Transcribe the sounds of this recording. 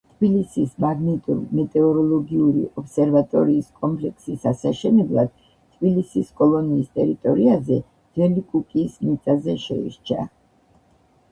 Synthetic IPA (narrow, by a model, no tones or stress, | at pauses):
t̪ʰbilisismaɡnit̪ʼuɾmɛt̪ʼɛɔɾɔlˠɔɡiuɾḭʔɔpsɛɾvat̪ʼɔɾiːskʼɔmpʰʼlɛkʰsisasaʃɛnɛblˠad̪̥̚ | t̪ʰːbilisiskʼɔlˠɔniːst̪ʼɛɾit̪ʼɔɾiazɛ | d̪ɛlikʼukʼismit̪sʼazɛʃɛ̰ḭɾt͡ʃʰa̰